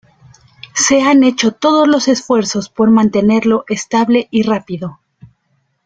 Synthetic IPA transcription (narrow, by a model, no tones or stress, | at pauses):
se̞ane̞t͡ʃo̞t̪o̞ð̞o̞zlo̞se̞sfwe̞ɾso̞spo̞ɾmãnt̪e̞ne̞ɾlo̞ʔest̪aβle̞ʔirapiðo̞